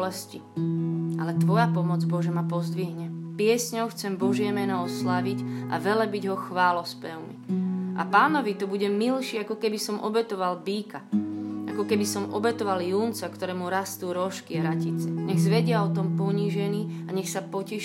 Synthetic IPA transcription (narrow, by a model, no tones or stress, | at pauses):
lɛsci | ʔalɛt̪ʋɔjapɔmɔd͡zbɔʒɛmapɔzd̪ʋiɦɲɛpɪɛsɲɔʊxt͡sɛmbɔʒɪɛmɛnɔɔslaʋiɟʔa̰ʋɛlɛbiɟɦɔxʋaːlɔspɛʊmḭʔa̰paːnɔʋit̪ɔbuɟɛmilʃɪakɔkɛbisɔmʔɔ̰bɛt̪ɔʋalbiːkaʔakɔkɛbisɔmɔ̰bɛt̪ɔʋaljuːnt͡sakt̪ɔɾɛːmuɾast̪uːɾɔʃkiɦɾacit͡sɛɲɛɣzʋɛɟɪaɔt̪ɔmpɔɲiːʒɛniaɲɛxsapɔcɛ